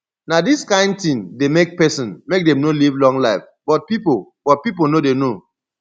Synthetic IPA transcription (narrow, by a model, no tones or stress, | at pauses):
nadiskãɪ̃nd̚tĩndemek̚pɛsɔ̃nmek̚demnolivlɔ̃ŋlaɪf | b̥ɔt̚pipolb̥ɔt̚pip̬onodeno